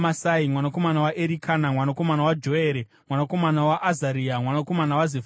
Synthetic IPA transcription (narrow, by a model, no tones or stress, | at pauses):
masaimwanako̞manawaʔeɾikʰaːnamwanako̞manawad͡ʒo̞eːɾe | mwanako̞manawaʔːzaɾiːamwanako̞manawazef